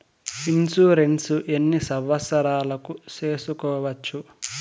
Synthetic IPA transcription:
insuːɾensuʔenːisɐʋːɐsɐɾaːlɐkuseːsukɔːʋɐt͡ʃːu

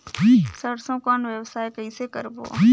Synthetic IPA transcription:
isəɽsõkɔːnʋjəʋsaːekəisekəɾbo̰ː

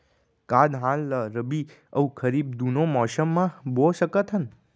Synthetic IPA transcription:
kad̪ɦãlləɾəbi | əũkʰəɾib̚d̪unomɔːʃəmːãboʃəkət̪ʰɦən

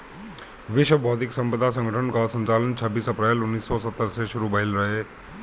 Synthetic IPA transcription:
ʋiɕʋəbʱɔd̪iksəmpɾəd̪ʱas̬ə̃ŋɡəʈʰəɳkəsənt͡salənt͡ɕʰəbːiːsəpɾelunːiːsːɔsət̪ːəɾseɕuɾuːbəilɾəɦe

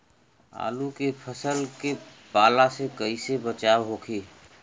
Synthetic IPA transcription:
a̰ːlukepʰəsəlke | paːlasekəisebət͡ʃaːwɦoːkʰiː

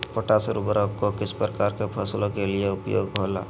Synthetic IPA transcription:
pəʈaːsɾʊbɾəkokɪspɾəkaːɾkepʰəslõkelieʊpjo̰ːɡɦoːla̰ː

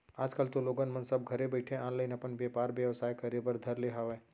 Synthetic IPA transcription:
aːd͡ʒkəlt̪oloːɡənmɐnsɐb̚ɡʱɐɾebəɪʈʰẽãːnləɪnɐpənʋjɐpaːɾʋjɐʋsaːjkɐɾebəɾd̪ʱɐɾleɦaʋeː

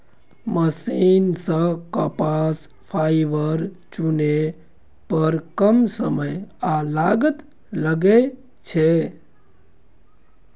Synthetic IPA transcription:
məsinsə̃kəpas | pʰaiʋəɾ | t͡ʃune | pəɾkəmsəməjalaɡət̪ | ləɡe | t͡ʃʰe

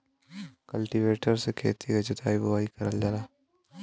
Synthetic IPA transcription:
kɐlʈiʋeːʈəɾsekʰeːt̪ʰikɐt͡ʃɪt̪aːibɐʋaːikɐɾəld͡ʒaːlaː

